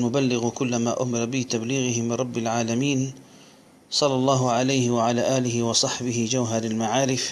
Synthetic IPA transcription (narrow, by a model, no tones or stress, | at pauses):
lmʊbalːɪɣkʊlːamaːʔʊ̰mɪɾˤɑbɪt̪abliːɣɪɦɪmɪnɾˤɑbːɪlʕaːlamiːn | sˤɑlːɑlˤːɑːɦʊʕalajhɪwaʕalaːʔaːlɪɦɪwɑsˤɑħbɪhɪd͡ʒawɦɑɾˤalmaʕaːɾɪf